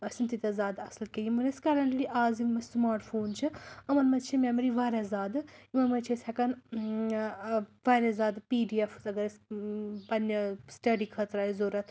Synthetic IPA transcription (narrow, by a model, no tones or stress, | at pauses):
ɐsʲint̪it̪ɐzaːd̪ɐslkejimɐnɐskɐɾɐɳʈliʔaːzimɐsmaːɾʈfʰoːnt͡ʃʰɨɐmɐnmɐt̪t͡ʃʰimʲemɐɾiʋaɾɐzaːd̪ɨimɐnmɐt͡ʃʰisʲɛkɐn | ʋaɾɐzaːd̪piːɖieft̪ɐɡɐɾɐspɐnːɐsʈɐɖikʰɐt̪ɾaːzoːɾɐt̪ʰ